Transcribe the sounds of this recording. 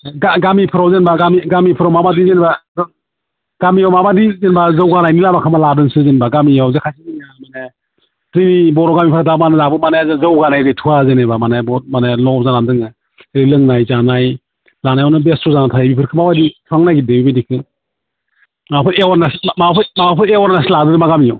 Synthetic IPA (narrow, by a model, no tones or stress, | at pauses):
ɡaɡamipʰɯɾawzenbaɡamiɡamipʰɯɾawmamadizenbaz | ɡamijawmamadizenbazɯwɡanajnilabakʰɯmaladɯnsɯzenbaɡamijawzekʰajsʰiniamane | zɯnibɔɾɔɡamipʰɯɾadamanɯzabɯmanezɯwɡanajɡɯjtʰuazenebamanebɔmanelɔp̚zanandɯŋɯ | ɾilɯŋnajzanaj | lanajɔnɯbestʰɔzanatʰajbipʰɯɾkʰɯmawaditʰaŋnajɡidɯbibidikʰɯ | mapʰɯɾewaɾnasmapʰɯmaapʰɯɾewaɾnasladɯdɯmaɡamijaw